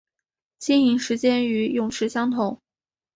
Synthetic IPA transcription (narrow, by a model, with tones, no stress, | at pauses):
ɕi˥ni˧˥ŋʂɻ̩˧˥t͡ɕjɛ˥ny˧˥jʊ˨˩ŋʈ͡ʂʰɻ̩˧˥ɕjɑ˥ŋt̪ʰʊ˧˥˦ŋ